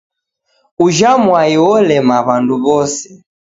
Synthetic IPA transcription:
uʒamwaiwɔlɛmaβanduβɔsɛ̥

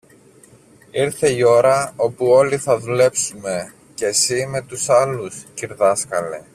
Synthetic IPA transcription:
iɾθe̞io̞ɾɐo̞puo̞liθɐðule̞psume̞ | ce̞sime̞t̪usɐlusciɾðɐskɐlḛ

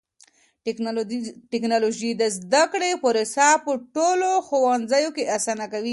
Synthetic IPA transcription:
ʈɪknɑloʒid̪əzd̪akɽepoɾesɑpəʈoloxowɑnzajokeʔasanakawi

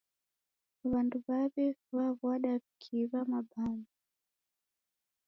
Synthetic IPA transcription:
βanduβaβɛβaβwaɗapi̥kʰiβamabana

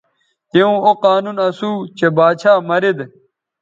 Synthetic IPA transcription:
t̪eũːoqaːnuːnɐsuːt͡ɕebaːt͡ɕʰaːmɐɾid̪

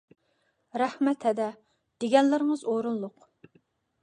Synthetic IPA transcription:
ɾɛhmɛt̪hɛd̪ɛ | d̪̥eɡʲɛnlɪɾəŋəzoɾunlˠʊq

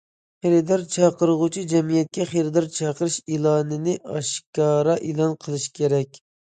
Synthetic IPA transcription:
χeɾɪd̪ɑɾt͡ʃʰɑqəɾəʁʊt͡ʃʰid͡ʒɛmijɛt̪̚kʲɛχeɾɪd̪ɑɾt͡ʃʰɑqəɾɨʃilˠɑːnɨnɪɑ̰ʃkɑːɾɑʔelˠɑnqʰəlˠɨʃkʲʰeɾɛkʲ

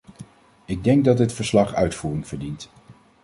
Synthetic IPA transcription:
ɪɡ̚dɛŋɡ̚dɑd̚dɪtfəɹslɑχœ̰ɥtfuːrɪŋv̥əɹdint

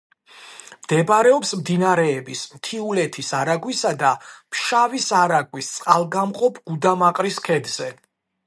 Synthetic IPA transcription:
md̪̥ɛbaɾɛɔpsmd̪inaɾɛːbismt̪ʰiulɛt̪ʰisaɾaɡwisad̪ampʃavisaɾaɡwist̪sʼqʼalˠɡamqʼɔpʰɡ̥ud̪amaqʼɾiskʰɛd̪z̥ɛ

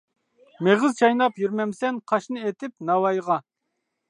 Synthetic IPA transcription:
meʁɪzt͡ʃʰɑjnɑpjyɾmɛmsɛnqʰɑʃnɨet̪ɪpnɑwɑjʁɑ

